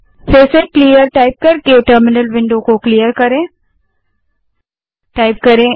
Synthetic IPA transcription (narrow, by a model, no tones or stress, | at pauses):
feːsekliːəɾʈaːɪp̚kɐɾkeʈəɾmɪnəlʋɪ̃ɳɖokokliːjəɾkɐɾẽː | ʈaːɪp̚kɐɾẽː